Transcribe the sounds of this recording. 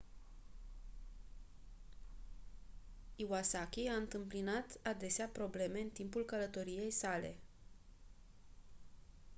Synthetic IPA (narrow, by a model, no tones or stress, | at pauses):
iwasakʲiaɨnt̪ɨmplinat̪ad̪e̞seapɾo̞ble̞me̞ɨnt̪impulkələt̪o̞ɾije̞jsale̞̰